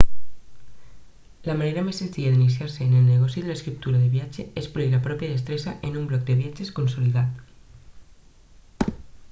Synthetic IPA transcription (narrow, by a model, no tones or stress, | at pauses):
lamaneɾamesent̪iaðinis̬jaɾseːnelneɣ̞ɔsiðeleskɾip̚t̪uɾaðeβjat͡ʃeespoɾilapɾɔpjaðest̪ɾesaʔenumblɔk̚d̪eβjat͡ʃeskonsoliðat̪